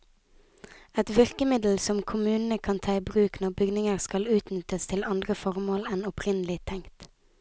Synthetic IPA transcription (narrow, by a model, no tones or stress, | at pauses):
ɛt̪ʋʏʁkəmɪd̪l̩sɔmkʰʊmʉːnn̩əkʰɑnt̪ʰɑːɪbʁʉːknɔʁbʏɡnɪŋəʁskɑlʉːt̪nʏt̪əst̪ʰɪlɑnd̪ʁəfɔʁmoːlɛnɔpʰʁɪnəlɪt̪ʰɛŋt̪